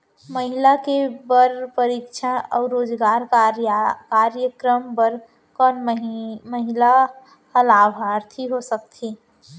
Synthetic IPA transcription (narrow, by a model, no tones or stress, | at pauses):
məɦilakebəɾpəɾikt͡ʃʰaɔːɾoːd͡ʒɡaːɾ | kaɾjəkɾəmbəɾ | kɔnməɦila | həlaːbʱaɾt̪ʰiɦosəkt̪ʰi